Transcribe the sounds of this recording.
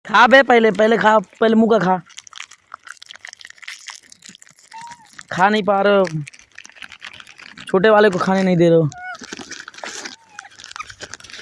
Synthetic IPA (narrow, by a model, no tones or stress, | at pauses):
kʰaːbʱeːpəɪleːpəɦleːkʰaːpəɪleːmũːkaːkʰaː | kʰaːnəĩːpaːɾoː | t͡ʃʰoːʈ̬eːʋaːleːk̬oːkʰaːneːnəĩːd̪eːɾoː